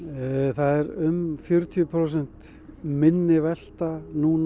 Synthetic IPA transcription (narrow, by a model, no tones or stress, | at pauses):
θaðɛɾʏmfjʏɾʏt̪ʰiʏpʰɾows̬ɛn̥t̪ | mɪnːɪvɛl̥t̪anuːn